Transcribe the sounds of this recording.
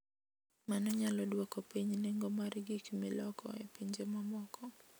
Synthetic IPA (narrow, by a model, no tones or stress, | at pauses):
manɔɲalɔɗuwakɔpɛɲinɛŋɡɔmaɾiɡikimilɔkɔ̰ɛpiɲd͡ʒɛmamɔkɔ